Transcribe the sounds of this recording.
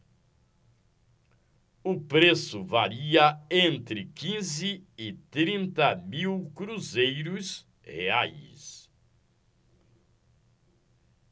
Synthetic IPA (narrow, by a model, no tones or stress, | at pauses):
ʊpɾesʊvaɾiɐẽnt̪ɾɪkĩzɪɪt̪ɾĩnt̪ɐmiwkɾuzejɾʊs | hḛajs